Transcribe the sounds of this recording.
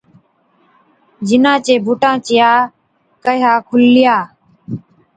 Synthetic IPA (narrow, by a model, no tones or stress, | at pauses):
d͡ʒɪnãːt͡ʃeːbʱʊʈãːt͡ʃɪjaː | kəjaːkʰʊlːɪjaː